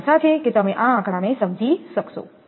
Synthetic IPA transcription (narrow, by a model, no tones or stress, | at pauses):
ʃat͡ʃʰeket̪əmeʔããkɽanesəmd͡ʒʱiʃəkʰso̰